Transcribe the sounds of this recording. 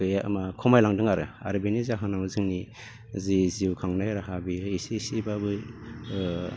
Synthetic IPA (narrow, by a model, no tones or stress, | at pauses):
ɯjamakʰɔmajlaŋdɯŋaɾɯ̰a̰ɾɯbinizaɦɯnamɯzɯŋni | ziziwkʰaŋnajɾaɦabiisisibabɯ